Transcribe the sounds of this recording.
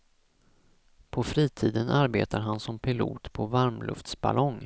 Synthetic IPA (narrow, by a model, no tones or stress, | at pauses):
pʰɔfɾiːt̪ʰiːd̪ənʔaɾbḛːt̪aɾɦansɔmpʰɪlṵːt̪pʰɔvaɾmlʔɵ̰ft̪sb̥a̰lʔɔŋ